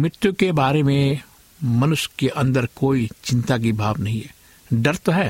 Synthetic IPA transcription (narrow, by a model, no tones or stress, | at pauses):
mɾɪt̪jʊkebaːɾemẽ | mɐnʊʃjkeʔɐ̃nd̪əɾkoːit͡ʃɪ̃nt̪ak̬ibʱaːʋnɐɦĩɦɛː | ɖɐɾt̪oɦɛː